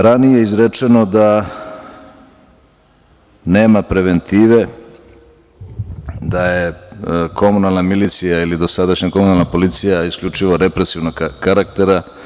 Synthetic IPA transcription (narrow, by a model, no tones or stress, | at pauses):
ɾanijeizɾet͡ʂeno̞d̪a | neːmapɾe̞ʋe̞nt̪ʰiːʋe̞ | d̪ajekʰo̞munalˠnamilit̪sijailid̪o̞sad̪aʃɲako̞munalˠnapo̞lit̪sijaiskʎʲut͡ʂiʋo̞ɾe̞pɾe̞siʋnoɡkaɾak̚t̪e̞ɾa